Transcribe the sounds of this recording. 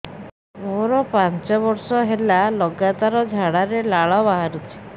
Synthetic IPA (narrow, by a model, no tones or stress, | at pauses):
oɾɔpant͡ʃɔbɔɾsɔɦelalɔɡat̪aɾɔd͡ʒʱaɽaɾelaɭɔbaɦaɾut͡ʃʰi̥